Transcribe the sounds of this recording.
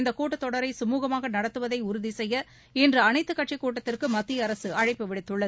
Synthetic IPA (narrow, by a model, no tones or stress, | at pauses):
nd̪ɐkuːʈːɯt̪ːɔɽɐɾɐɪsɐmuːɣɐmaːɣɐnɐɽɐt̪ːɯʋɐðɐɪʊɾʊðisɛjːɐ | ɛndrɯɐnɐɪt̪ːɯkːɐʈt͡ʃikːuːʈːɐt̪ːɪrkɯmɐt̪ːiɐɾɐsɯʔɐɻɐɪpːɯʋɪɽɪt̪ːɯɭːɐð